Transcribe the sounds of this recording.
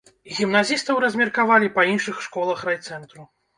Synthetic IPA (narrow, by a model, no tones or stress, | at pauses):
ɣʲimnazʲist̪ɐwɾɐzʲmʲɛrkavalʲipɐinʂɨxʂkɔlˠɐxrajt̪sɛnt̪ɾu